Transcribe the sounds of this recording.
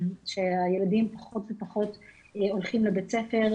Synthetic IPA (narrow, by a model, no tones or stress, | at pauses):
ʃeaje̞ladimpaχo̞tvepaχo̞t | o̞lχimlebet͡sefe̞ʁ